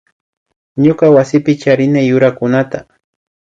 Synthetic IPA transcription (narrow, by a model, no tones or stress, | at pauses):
ɲokawasɪpɪt͡ʃaɾɪnajːʊɾakʊnat̪a